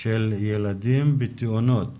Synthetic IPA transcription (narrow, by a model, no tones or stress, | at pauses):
ʃeljelad̪imbit̪ionot̪